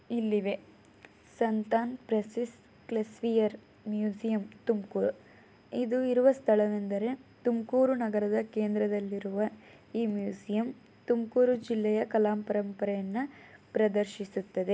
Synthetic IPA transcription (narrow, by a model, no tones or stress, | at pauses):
ilːiʋe̞ | sɐnt̪aːnpɾɐsis | klesʋijɐɾ | mjuːsijɐmt̪umkuːɾu | id̪uiɾuʋɐst̪ʰɐɭɐd̪end̪ɐɾe̞t̪umkuːɾunɐɡɐɾɐd̪ɐkeːnd̪ɾɐd̪ɐlːiɾuʋɐ | iːmjuːsijɐm | t̪umkuːɾud͡ʒilːɛjɐkɐlaːmpɐɾɐmpɐɾɛjɐnːɐpɾɐd̪ɐɾʃisut̪ːɐd̪e̞